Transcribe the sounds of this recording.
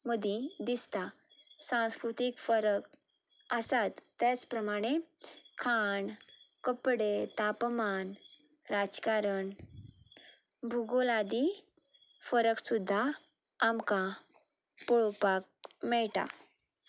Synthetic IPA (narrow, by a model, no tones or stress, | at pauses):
məd̪ʱĩd̪ist̪a | sãw̃skɾut̪ikfəɾək | əsat̪ːat͡spɾəmaɽ̃ekʰaɳkəpɽet̪apman | ɾad͡zkaɾəɳ | bʱuɡolad̪i | fəɾəksud̪ʱːaː | mka | pɔɭopak̚mɛɭʈ̪a̰